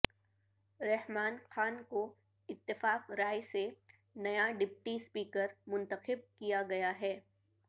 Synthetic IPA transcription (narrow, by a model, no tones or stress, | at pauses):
ɾɛɦmaːnxaːnko | ɪt̪ːɪfaːqɾaːjse | nɐjaɖɪpʈispiːkəɾmʊ̃nt̪əxɪb̚kijaɡɐjaɦɛː